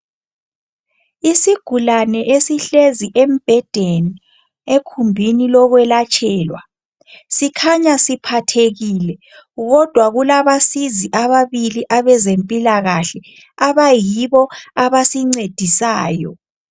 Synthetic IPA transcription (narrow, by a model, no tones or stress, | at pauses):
isiɡ̥ʱulanɛʔesiɬeziʔem̩b̥ʱɛd̥ʱeni | ekʰumbʱinilɔɣwɛlat͡ʃʼʰɛːlwa | sikʰaɲasipʰatʰeɣiːlɛ | ɣɔd̥ʱwaɣulaβasiziʔaβaβiliʔaβɛzempʼilaɣaɬɛ | aβajiβɔaβasiŋ͡ǀed̥ʱisaːjɔ̰